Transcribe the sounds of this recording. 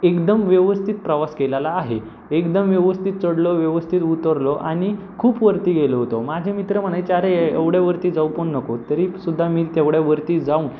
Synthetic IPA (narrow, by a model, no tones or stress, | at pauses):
ekd̪əmʋjəʋəst̪ʰit̪̚pɾəʋaskelalaːɦe | ekd̪əmʋjeʋəst̪ʰit̪̚t͡səɽloʋjeʋəst̪ʰit̪ut̪əɾloʔaɽ̃i | kʰuːpʋəɾt̪iːɡeloɦot̪omad͡ʑʱemit̪ɾəm̤əɽ̃ajt͡ɕeaɾeeʋɽjaʋəɾt̪iːd͡zaupoɳːəkot̪əɾisud̪ʱːamiːt̪eʋɽjaʋəɾt̪iːd͡zauːn